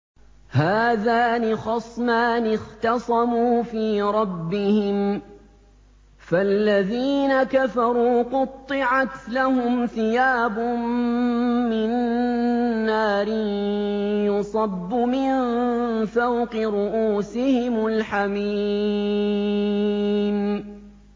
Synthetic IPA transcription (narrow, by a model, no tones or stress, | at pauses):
haːðaːnɪxɑsˤmaːnɪxt̪ɑsˤɑmuːfiːɾˤɑbːɪhɪm | falːaðiːnakafɑɾˤuːqʊt̪ˤːɨʕat̪lahʊmθɪjaːbʊmː | ɪnː | aːɾɪ | jʊsˤɑbːʊmɪn | fawqɨɾʊʔuːsɪhɪmʊlħami | n